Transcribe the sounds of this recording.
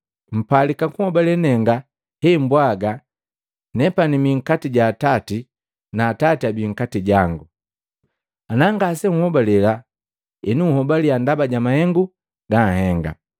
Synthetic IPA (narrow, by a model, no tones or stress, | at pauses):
m̩palikakuhɔbalɛnɛŋɡa | hɛmbwaɡa | nɛpanimiŋ̩katiɟaːtati | naːtatiabiŋ̩katiɟaŋɡu | anaŋɡasɛŋ̩uhɔbalɛla | ɛnuuhɔbaliandabaɟamahɛŋɡu | ɡahɛŋɡa̰